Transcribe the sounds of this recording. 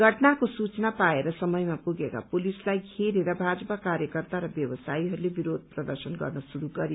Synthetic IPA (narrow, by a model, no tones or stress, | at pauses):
ɡʱʌʈnakosut͡snapaeɾʌsʌmʌjmapuɡeka̰polislajɡʱʰeɾeɾʌbʱad͡zʌpakaɾjʌkʌrt̪aɾʌbjʌwʌsaiɦʌɾulebiɾod̪̚ʱprʌd̪ʌrsʌnɡʌ̰rnʌsuɾuɡʌɾi